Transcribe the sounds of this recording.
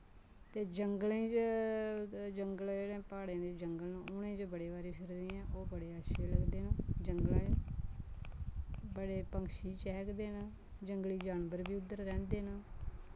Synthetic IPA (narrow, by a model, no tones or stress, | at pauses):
t̪eːd͡ʒəŋɡəlẽːt͡ʃ | d͡ʒəŋɡəld͡ʒeːɽẽːpaːɽãːd̪eːd͡ʒəŋɡəlnãːʊnẽːd͡ʒbəɽeːʋaːɾĩːpʰɪɾd̪iːɛ̃ːʔoːbəɽeːəʃʰeːləɡd̪eːnãːd͡ʒəŋɡlãː | bəɽeːpəŋkʃiːt͡ʃɛːkd̪eːnaː | d͡ʒəŋɡliːd͡ʒaːnbəɾbiːʊd̪əɾːɛ̃ːnd̪eːnaː